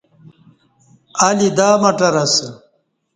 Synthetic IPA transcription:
ɐlid̪aːmɐʈɐɾɐsə

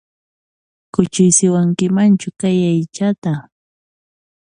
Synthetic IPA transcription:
kʊt͡ʃɪjsɪwaŋkɪmant͡ʃʊkajajt͡ʃat̪a

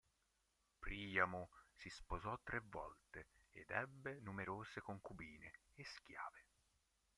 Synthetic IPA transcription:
pɾiːjamusispozɔt̪ːɾevːɔ̰lt̪eed̪ɛbːenumeɾoːzekoŋkubiːneesk̟ja̰ːve

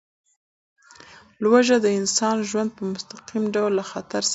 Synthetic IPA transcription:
lwaʒad̪əɪnsɑnʒwand̪̚pəmʊst̪aqimɖawlːaxat̪aɾs

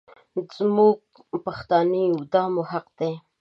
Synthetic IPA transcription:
zmuɡ̚ | paxt̪ɑniwd̪ɑmohaqd̪̥e

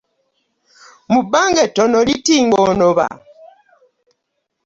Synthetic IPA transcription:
mubaŋɡɛtɔnɔlitiŋɡɔnɔβa̰

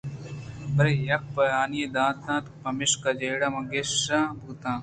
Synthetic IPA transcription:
bɐɾejɐk̚pɐaːnijed̪ãːt̪ʰãːt̪pɐmɪʂkɐd͡ʑeːɽamɐ̃ɡesãːbʱuːt̪ãː

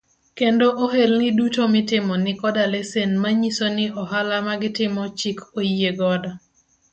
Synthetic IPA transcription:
kendoʔoɦelnɪdutomɪtɪmɔnɪkɔdalɛsenmaɲisonɪɔɦalamaɡɪtɪmɔt͡ʃikojeɡɔda

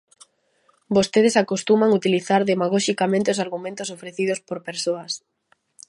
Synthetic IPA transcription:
bost̪eð̞esakost̪umaŋut̪iliθaɾðemaɣ̞ɔʃikamẽnt̪ɪosaɾɣumẽnt̪osofɾeθiðospoɾpeɾsoɐs

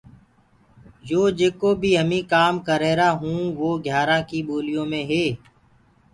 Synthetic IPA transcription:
d͡ʒoːd͡ʒeːkoːbʱiːɦəmĩːkaːmkəɾeːɾaːɦũːʋoːɡʱjaːɾãːkiboːlɪjõːmẽːɦeː

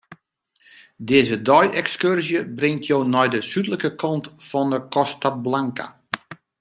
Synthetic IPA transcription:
dɪːzədɔjɛkskørzjəbrɪŋtʰjownɔjdəsytləkəkʰɔntfɔnəkɔstablaŋka̰

